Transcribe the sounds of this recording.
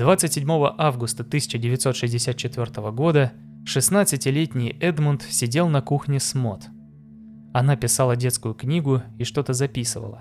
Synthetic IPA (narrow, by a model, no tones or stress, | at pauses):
d̪vat̪sɨtʲsʲɪdʲmo̞vəʔavɡʊst̪ət̪ɨsʲɪ̥t͡ɕɪdʲɪvʲɪt̪so̞t̪ʂɨzʲdʲɪsʲat̪t͡ɕɪt̪vʲo̞rt̪əvəɡo̞d̪ə | ʂɨsnat̪sɨtʲɪlʲetʲnʲɪjɛd̪mʊnt̪sʲɪdʲe̞lˠnɐkuxnʲɪsmo̞t̪ | ɐnapʲɪsalˠədʲe̞t̪skʊjʊknʲiɡʊiʂt̪o̞t̪əzɐpʲisɨvə̰lˠə̰